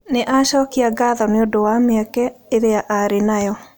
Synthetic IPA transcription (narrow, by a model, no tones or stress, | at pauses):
neʔaʃɔkiaɡaðɔneodowameakɛeɾeaʔaɾenajɔ